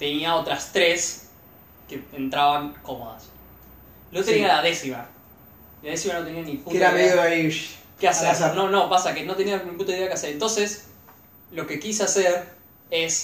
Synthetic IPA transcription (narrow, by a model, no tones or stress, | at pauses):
t̪e̞niao̞t̪ɾast̪ɾes | keent̪ɾaβaŋko̞mo̞̰ða̰s | lot̪e̞nialaðesima | ilaðesimano̞t̪e̞nianipueaaiʃkeasesɾno̞no̞pasakeno̞t̪e̞nianĩmpunt̪oiðeakeaseɾent̪o̞nses | lo̞ke̞kis̬easeɾ | es